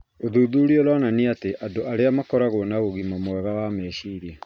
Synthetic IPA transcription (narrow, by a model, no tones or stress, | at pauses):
oðuːðuɾiolananeateʔadoʔaɾeamakɔɾaɣonaɣoɣimamwɛɣawamɛːʃiːɾɛ